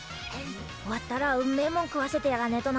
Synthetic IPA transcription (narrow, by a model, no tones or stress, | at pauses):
wat̪ːaɾaɯmːemoŋkɯwaset̪ejaɡanet̪ona